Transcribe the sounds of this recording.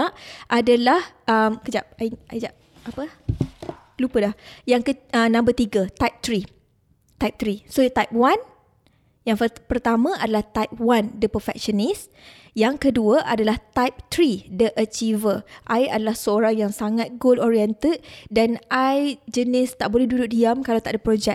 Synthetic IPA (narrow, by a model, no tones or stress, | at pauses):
ʔadalahʔəmkəd͡ʒap̚aiad͡ʒap̚ | apə | lupədahjaŋkəənãmbət̪iɡat̪ajp̚t̪ɾi | t̪ajp̚t̪ɾisot̪ajp̚wan | jaŋpərt̪amãʔadalaht̪ajp̚wandəpərfɛ̰k̚ʃənis | jaŋkəduəʔadalaht̪ajp̚t̪ɾidəʔət͡ʃivəʔajadalahsəoɾaŋjaŋsaŋat̪̚ɡoldoɾiɛnt̪əd̚danajd͡ʒənɪst̪aʔbolɛhdudʊʔ̚diamkalawt̪aʔdapɾod͡ʒɛk̚